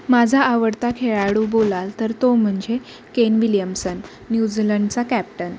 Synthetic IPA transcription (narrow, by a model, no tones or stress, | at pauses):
mad͡zʱaaʋəɽt̪akʰeɭaɽubolalt̪əɾt̪om̤əɳd͡ze | kenʋiljəmsənː | jud͡ziləɳɖt͡sakæp̚ʈən